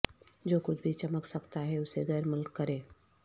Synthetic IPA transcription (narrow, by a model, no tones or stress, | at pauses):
d͡ʒoːkʊt͡ʃʰbʱit͡ʃɐməksɐkt̪aɦɛʊseɣɛːɾmɪlkkːɐɾẽː